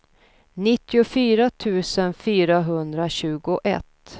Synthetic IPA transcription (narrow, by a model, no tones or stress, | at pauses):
nɪt̪ːɪʊfyːɾat̪ʰʉ̟ːsənfyːɾaɦɵnd̪ɾaɕʉ̟ːɡʊʔɛ̰t̪ː